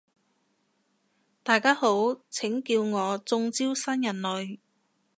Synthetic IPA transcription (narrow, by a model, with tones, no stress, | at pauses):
t̪aː˨jkaː˥ho˨˥wt͡sʰɪ˨˥ŋkiː˧wŋɔː˨˧t͡sʊ˧ŋt͡siː˥wsɐ˥njɐ˨˩nlɵ˨˧ɥ